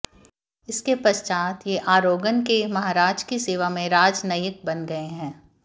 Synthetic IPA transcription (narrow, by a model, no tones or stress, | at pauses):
ɪskepɐst͡ʃaːt̪jeʔaːɾoːɡənkemɐɦaːɾaːd͡ʒkiseːʋamẽɾaːd͡ʒnɐjɪk̚bɐnɡɐeɦɛ̃ː